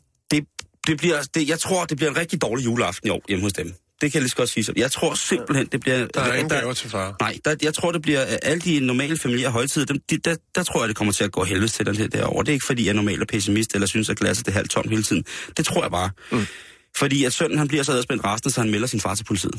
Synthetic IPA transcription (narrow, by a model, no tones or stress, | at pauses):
d̥e̝d̥e̝b̥liɐd̥e̝jɑ̈ɪt͡sʰʁo̝ɐ̰d̥e̝b̥liɐenʁɛɡ̥̚d̥id̥ɒːlijuːləɑ̈fd̥n̩iɒ̰ːjeməhɔ̽sd̥em | d̥e̝kʰæjalisɡ̥ɒ̽d̥siːsɒ̽njɑ̈ɪt͡sʰʁo̝ɐ̰se̝mb̥l̩ɦen̰d̥e̝b̥liɐd̥t͡sʰefɑːnɑ̈ɪ̰d̥ɑ̈jɑ̈ɪt͡sʰʁo̰ɐ̰d̥e̝b̥liɐʔæləd̥inɒmɛ̰ːləfæmiljḛɐɦɒ̽ɪt͡sʰiðˠd̥emd̥id̥æd̥ɑ̈t͡sʰʁo̝ɐ̰jad̥e̝kʰɒ̽mɐt͡sʰe̝æɡ̥ɔ̰ːɦelʋəð̩̰ˠt͡sʰed̥enḛɐd̥æ̰ɐɒʊɐd̥e̝e̝ɡ̥fɒd̥ḭːjɑæɐnɒmɛ̰ːlɒpʰes̬imisd̥elɐsynəsæɡ̥læsɐd̥e̝ɦæl̰t͡sʰɒ̽n̰mheːlət͡sʰið̰ˠn̩d̥e̝t͡sʰʁo̝ɐ̰jɑ̈ɪb̥ɑ̈ː | fɒdḭːæd̥sœn̰n̩hænb̥iɐsɒɛðˠsb̥en̰d̥ʁɑ̈sd̥n̩sɒ̽hænmelɐsinfɑ̈ːt͡sʰe̥pʰo̝li̥t͡sʰḭːð̰̩ˠ